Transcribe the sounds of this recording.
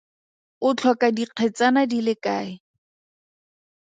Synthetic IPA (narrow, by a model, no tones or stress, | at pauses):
ʊt͡ɬʰɔkʼadiq͡χʰɛt͡sanadilɪkaːɪ